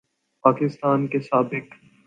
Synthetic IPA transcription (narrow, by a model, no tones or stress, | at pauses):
paːkɪst̪aːnkesaːbɪk